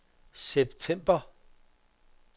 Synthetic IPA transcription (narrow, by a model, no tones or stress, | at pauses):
seb̥̚t͡sʰem̰b̥ɐ